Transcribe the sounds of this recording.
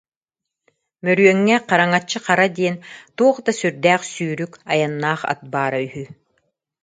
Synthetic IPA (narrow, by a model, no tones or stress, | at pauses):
mœɾyœŋːɛqaɾaŋat͡ɕːɯqaɾad̪iɛnt̪uɔχd̪asyɾd̪æːχsyːɾykajanːaːχa̰t̪̚baːɾayɦy